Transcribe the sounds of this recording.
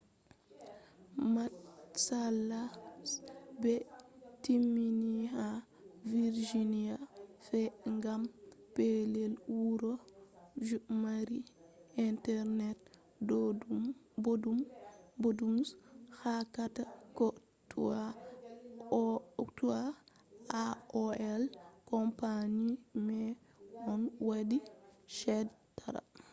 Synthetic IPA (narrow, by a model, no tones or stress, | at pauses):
matsalːasbɛtimːiniɦa | viɾd͡ʒinijafɛŋɡampelɛlwuɾɔ | d͡ʒumaɾiintɛɾnɛt̚ | dodubodumbodumshakatako | tua | tua | aoɛlkompaɲimɛ | ɔnwadiʃedtaɾa̰